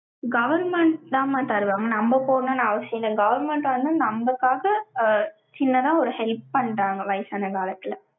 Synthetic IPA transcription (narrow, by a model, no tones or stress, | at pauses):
ɡɐʋɐɾmɛɳʈt̪ãːmat̪ɐɾɯʋaːŋɡɐnɐmbɐpoːnːɐnãɐʋɐsɪj̃nld̪ɐɡɐʋɐɾmɛɳʈʋɐnd̪ɯnɐmbɐkːaːɣɐ | t͡ʃɪnːɐðãːɔɾɯhɛlp̚pɐɳːɾaːŋɡɐʋɐɪsaːnɐkaːlɐt̪ːɪlɐ